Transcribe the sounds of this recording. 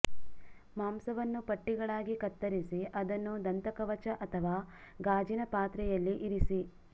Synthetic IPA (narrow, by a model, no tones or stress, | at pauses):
maːmsɐʋɐnːupɐʈːiɡɐɭaːɡikɐt̪ːɐɾisiʔɐd̪ɐnːud̪ɐnt̪ɐkɐʋɐt͡ʃɐʔɐt̪ʰɐʋaː | ɡaːd͡ʒinɐpaːt̪ɾɛjɐlːiʔiɾisi